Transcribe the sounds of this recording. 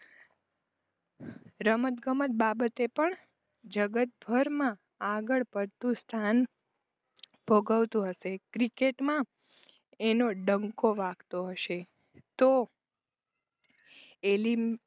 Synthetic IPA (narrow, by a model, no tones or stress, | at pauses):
ɾəmət̪ɡəmət̪̚babət̪epəɳ | d͡ʒəɡət̪̚bʱəɾmã | aɡəɭpəɾt̪ũst̪ʰan | bʱoɡaʋt̪ũɦəʃekɾikeʈmã | enoɖəŋkoʋãɡt̪oɦəʃe | t̪o | eli